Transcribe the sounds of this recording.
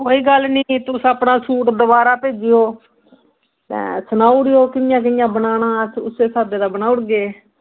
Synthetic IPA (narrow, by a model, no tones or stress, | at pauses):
koːiːɡəlniːt̪ʊsəpnãːsuːʈd̪əbaːɾaːpeːd͡ʒɪjoː | t̪ɛ̰̃ːsənaːuɽɪjoːkɪnɪjãːk̬ɪjãːbənaːnaːsʊseːsaːd̪eːd̪aːbənaːʊɽɡeː